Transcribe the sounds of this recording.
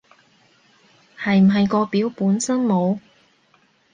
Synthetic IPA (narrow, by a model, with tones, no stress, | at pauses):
hɐ˨jm̩˨˩ɦɐ˨jkɔː˧piː˨˥wpuː˨˥nsɐ˥nmo˨˧w